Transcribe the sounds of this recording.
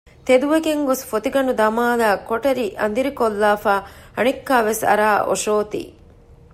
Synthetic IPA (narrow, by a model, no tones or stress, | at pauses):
t̪ed̪uʋeɡeŋɡosfot̪iɡɐnud̪ɐmaːlaːkoʈɐɾiʔɐ̰nd̪iɾikolːaːfaːɐnikːaːʋesɐ̰ɾaːʔo̰ʃoːt̪ḭː